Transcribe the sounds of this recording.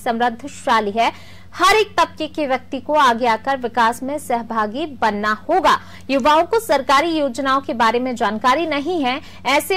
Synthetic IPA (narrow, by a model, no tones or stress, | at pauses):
sɐ̃mɾəd̪ʱːʃaːliɦɛ | hɐɾeːk̚t̪ɐb̚kekeʋjɐk̚t̪ikoaːɡeaːkɐɾʋɪkaːsmẽsɐɦbʱaːɡibɐnːahoːɡaː | jʊʋaːõkosɐɾkaːɾijoːd͡ʒnaːõkebaːɾemẽd͡ʒaːnkaːɾinɐɦĩɦɛ̃ | ɛːse